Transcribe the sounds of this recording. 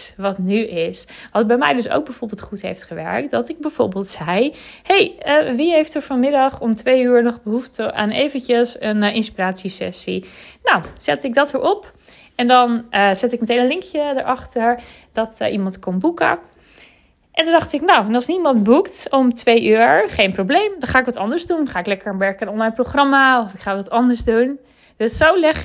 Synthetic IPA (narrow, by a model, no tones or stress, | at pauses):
ʋɔtnyɪsʋɔtd̚bɛjmɛ̰jdøso̰wɡ̚bɛjvoɹbeːlˠtχutɦḛjftχəʋɛ̰ɹk̚tdɔtɪk̚bɛjv̥o̰ɹbeːlˠtsɛjhejəʋiɦejftɔxfɔnmɪdɑχɔmtʋejyːɹnɔχbəɦuftəʔa̰ːnejvəntəsənɪnspiraːtsisɛ̰sinawsɛtɪk̚dɔtʋəɹɔp | ɛndɔnzɛtɪkmətejnənlɪŋkʰjədə̰ɹʔɑχtəɹd̥ɔtʔimɑntkɔmbukə̰ | ʔɛndɔndɑχtɪknawɛnɑlˠsnimɑntbuktɔmtʋejʔyːɹχejnproblejmdɔnχaːɪkʋɑtɑndəɹzdunχaːɪklɛkəɹʋɛɹkənɔnlajnproχrɑmaɔfɪkχaːʋɑtɑndəɹzdun | d̥øsːowlɛχ